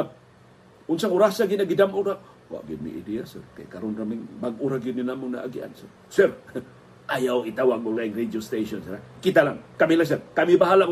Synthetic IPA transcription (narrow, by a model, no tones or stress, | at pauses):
ap̚ | unsaŋuɾasaɡinaɡidamuɾaŋ | wa̰ʔɡimḭʔḭdiasɛ̰rka̰jkaɾunramiŋbaŋuɾaɡininamuna̰ʔa̰ɡia̰nsɛr | sɛr | ʔajawit̪awaɡulaiŋred͡ʒiost̪esɔnsɛɾakit̪alaŋkamilas̬ɛrkamibaɦala